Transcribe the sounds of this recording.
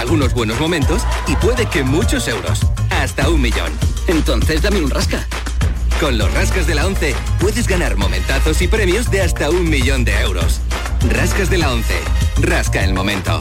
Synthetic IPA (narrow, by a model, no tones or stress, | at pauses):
alɣuno̞zβwe̞no̞zmõ̞mẽ̞nt̪o̞sipwe̞ðe̞ke̞mut͡ʃo̞se̞wɾo̞̰sast̪aummiʎo̞̰nent̪o̞nθe̞zd̪ameunraska | ko̞nlo̞̰sraskazðe̞lao̞nθe̞ | pwe̞ðe̞zɣanaɾmo̞̰mẽ̞nt̪aθo̞sipɾe̞mjozðe̞ast̪aummiʎo̞nd̪e̞e̞wɾo̞̰s | raskazðe̞lao̞nθe̞̰raskaḛlmo̞̰mẽ̞nt̪o̞̰